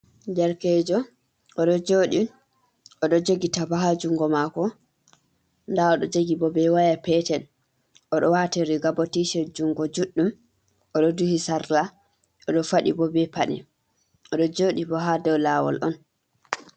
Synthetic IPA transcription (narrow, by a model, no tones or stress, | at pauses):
d͡ʒɛɾkɛd͡ʒɔ | ʔɔɗɔd͡ʒoːɗi | ʔɔɗɔd͡ʒoɡitabaɦad͡ʒuŋɡɔmakɔ | ndaɔɗɔd͡ʒoɡibɔbɛwajapɛtɛn | ʔɔɗɔwatiɾiɡabotiʃɛd͡ʒuŋɡɔd͡ʒuɗːum | ʔɔɗɔduhisaɾla | ɔɗɔfaɗḭbɔbɛpaɗɛ̰ | ɔɗɔd͡ʒoɗibɔɦadɔwlaːwɔ̰lʔɔ̰n